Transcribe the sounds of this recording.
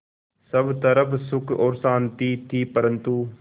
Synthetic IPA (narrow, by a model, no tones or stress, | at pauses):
səbt̪əɾəpsʊkʰoːɾsaːnt̪iːt̪ʰiːpəɾənt̪uː